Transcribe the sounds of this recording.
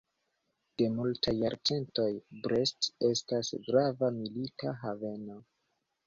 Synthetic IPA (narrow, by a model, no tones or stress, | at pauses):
d̥e̞multʰajːaɾt͡se̞nto̞jbɾe̞ste̞stasɡɾavamilitaɦave̞no̞